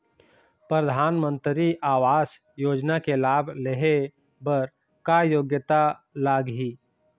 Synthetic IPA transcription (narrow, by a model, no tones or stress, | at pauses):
pɾəd̪ʱaːnmə̃nt̪ɾiʔaːʋaːs | joːd͡ʒnakelaːbʱleɦe | bəɾ | kajoːɡjət̪alaːɡɦiː